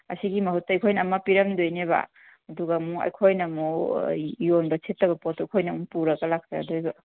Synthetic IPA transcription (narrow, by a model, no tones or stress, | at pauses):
ɐ̰siɡimɐɦut̚ːɐːjkʰojnɐmːɐpiɾɐmdojneβa̰ | ɐduɡamuɐ̰jkʰojnɐmu | jonbɐsʰetːɐbɐpotːojkʰojnɐmupuɾɐɡɐlak̚sa̰ɐ̰dojba